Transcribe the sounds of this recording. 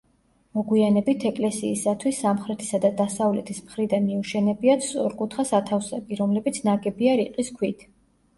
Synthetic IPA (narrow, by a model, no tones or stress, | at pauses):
mɔɡwianɛbit̪ʰɛkʼlɛsḭːsat̪ʰwisːamχɾɛt̪ʰi̥sad̪ad̪asavlɛt̪ʰismχɾid̪anmiuʃɛnɛbiat̪sʼɔɾkʼut̪ʰχasat̪ʰafsɛbiɾɔmlɛbit̪sʰnaɡɛbiaɾiqʼiskʰwit̪ʰ